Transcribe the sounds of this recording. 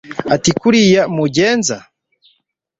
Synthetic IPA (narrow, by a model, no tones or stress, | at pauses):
atikuɾijamuɟeːnza